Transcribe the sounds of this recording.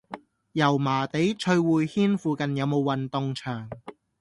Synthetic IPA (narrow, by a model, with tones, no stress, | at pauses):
jɐ˨˩wmaː˨˩t̪e˨˥jt͡ʃʰɵ˧ɥwuː˨˧jhiː˥nfuː˨˧kɐ˨njɐ˨˧wmo˨˧wwɐ˨nt̪ʊ˨˧ŋt͡ʃʰœː˨˩ŋ